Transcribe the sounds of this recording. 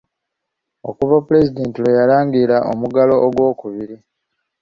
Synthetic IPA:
o̞̰kuβapule̞zide̞ːntilejalaːŋɡilaʔo̰muɡalo̞ʔːɡwo̞ːkuβiɾi

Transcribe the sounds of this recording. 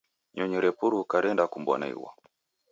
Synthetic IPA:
ɲɔɲɔɾɛpuɾukaɾɛndakumbwɔ̰na̰ḭwa̰

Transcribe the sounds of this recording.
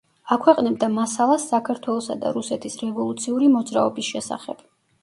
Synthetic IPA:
akʰwɛqʼnɛbd̪amasalˠasːakʰaɾt̪ʰwɛlˠɔsa̰d̪a̰ɾusɛt̪ʰisɾɛvɔlˠut̪sʰiuɾimɔd̪zɾa̰ɔbisʃɛsa̰χɛ̰b̥

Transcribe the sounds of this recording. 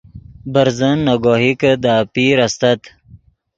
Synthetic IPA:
bəɾzənːɐɡoɦikəd̪aːpiɾɐst̪ɐt̪

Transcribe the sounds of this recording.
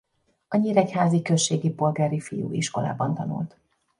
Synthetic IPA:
ɒɲiːɾɛchaːzikø̞ʃːeːɡipo̞lɡaːɾifijṵːʔiʃko̞la̰ːbɒnt̪ɒnṵlt̪

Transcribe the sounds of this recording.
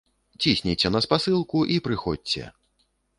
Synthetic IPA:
t͡sʲisʲnʲit͡sʲɛnɐspasɨlˠkuʔipɾɨxɔdʲt͡sʲɛ̰

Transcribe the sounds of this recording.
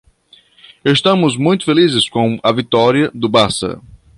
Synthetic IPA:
est̪ɐ̃mʊzmũj̃t̪ʊ̥felizɪskõw̃ɐvit̪ɔɾiɐd̪ʊbasɐ̰

